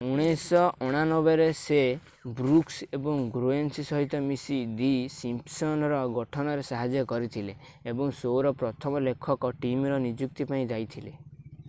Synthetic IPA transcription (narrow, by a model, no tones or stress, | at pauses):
uɽ̃esɔʔɔɽ̃anɔbeɾese | bɾuksebɔŋɡɾoensisɔɦit̪ɔmisid̪isimpsɔnɾɔɡɔʈʰɔnɔɾesaɦad͡ʒjɔkɔɾit̪ʰileː | bɔŋsoɾɔpɾɔt̪ʰɔmɔlekʰɔkɔʈimɾɔnid͡ʒuk̚t̪ipaĩd͡ʒajt̪ʰile